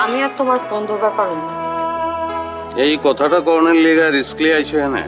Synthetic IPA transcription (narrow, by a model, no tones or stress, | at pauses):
amiat̪omaɾkɔnd̪ʱobɛpaɾuna | ejkɔt̪ʰaʈakɔɾɔneɾleɡaɾiskliajt͡ʃʰɔɦɛnḛ